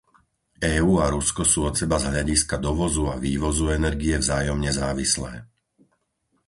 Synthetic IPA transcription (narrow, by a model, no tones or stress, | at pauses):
ɛːuːaɾuskɔsuːɔt̪sɛbazɦʎaɟiskad̪ɔʋɔzuaʋiːʋɔzuɛnɛɾɡiɛvzaːjɔmɲɛzaːʋislɛ̰ː